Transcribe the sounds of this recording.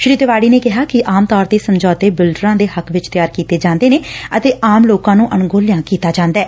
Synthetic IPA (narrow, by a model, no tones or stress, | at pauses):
ʃɾiːd̪ʋaːɽiːneːkɪɦaːkɪʔaːmt̪ɔːɾt̪eːsəmd͡ʒɔːt̪eːbɪlɖɾãːd̪eːhəkʋɪt͡ʃt̪ɪjaːɾkiːt̪eːd͡ʒãːnd̪eːneːət̪eːʔaːmloːkãːnũːʔənɡoːlɪjãːkiːt̪aːd͡ʒãːnd̪ɛː